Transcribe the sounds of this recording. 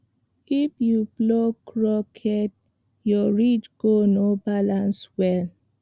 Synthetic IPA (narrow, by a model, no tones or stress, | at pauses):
ipjublokʰɹɔkʰɛt̚ | jɔɹit͡ʃɡ̥onobalãnswɛl